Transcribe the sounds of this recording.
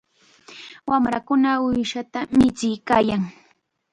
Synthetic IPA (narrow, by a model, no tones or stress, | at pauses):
wamɾakʊnaʊjʃat̪amɪt͡sɪjkaːjaŋ